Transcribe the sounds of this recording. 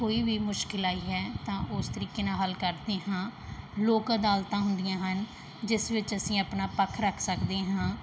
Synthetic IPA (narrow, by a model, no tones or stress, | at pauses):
koːiːbiːmʊʃkɪlaːiːɦɛːt̪ãːʔʊst̪əɾiːkeːnãːɦəlkəɾd̪eːɦãːloːkəd̪aːlt̪ãːɦʊnd̪ɪjãːɦən | d͡ʒɪsʋɪt͡ʃəsĩːəpnaːpəkʰɾəkʰsəkd̪eːɦãː